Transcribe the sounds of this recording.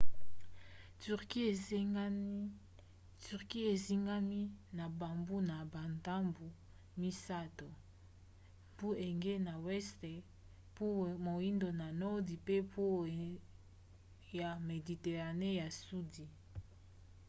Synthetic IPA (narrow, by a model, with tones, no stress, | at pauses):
ty˨ʁki˦e˨˦ | ty˨ʁki˦e˨zi˦ŋɡa˦mi˦na˨ba˨mbu˦na˨ba˨nta˦mbu˨ | mi˦sa˦to˨ | pu˦ʔe˨ŋɡe˦na˨wɛ˦stɛ˨ | po˦mo˨i˦ndo˨na˨nɔ˦di˨pe˦po˦ | ja˨me˨di˨te˨ʁa˨ne˦ja˨su˦di˨